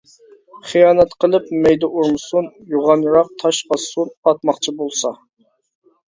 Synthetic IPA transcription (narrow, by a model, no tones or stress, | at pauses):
χijɑːnɛt̪qʰəlˠɨpmɛjd̪ɛʔuɾmɨsunjuʁɑnɾɑq̚t̪ʰɑʃɑsunɑt̪̚mɑqt͡ʃʰibolˠsɑ